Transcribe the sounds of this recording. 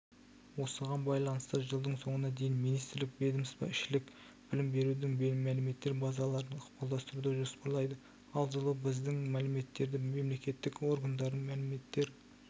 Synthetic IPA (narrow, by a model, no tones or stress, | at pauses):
wo̞səʁɑnbɑjlˠɑnəst̪əʒəlˠd̪əɴso̞ɴənɑd̪e̞jɪnmijnijst̪ɪɾlɪk̚bed̪əmɪsbɑ̰ɪʃɪlɪk | b̥ɪlɪmbe̞ɾud̪ɪŋbmælɪme̞t̪ːeɾbɑzɑlˠɑɾənʊqpɑlˠd̪ɑst̪əɾud̪eʒospɑɾlˠɑjd̪ə | ɑlˠʒəlˠəbɪzd̪ɪŋmælɪme̞t̪ːe̞ɾd̪ɪme̞mle̞kʲe̞t̪ːɪkwo̞ɾɡɑnd̪ɑɾənmælɪme̞t̪ːe̞ɾ